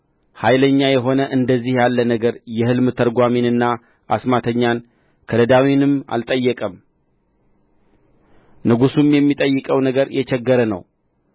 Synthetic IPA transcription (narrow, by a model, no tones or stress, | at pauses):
hajləɲːajɛɦo̞nəʔɨnd̪əzːihjalːənəɡəɾjɛhɨlmɨt̪ʰəɾɡʷaminɨnːa | a̰smat̪ʰəɲːan | kʰələd̪awinɨma̰lt̪ʼəjːɛkʼəm | nɨɡusumjɛmːit̪ʼəjːɨkʼəwnəɡəɾjʔɛt͡ʃɛɡːəɾənə̰w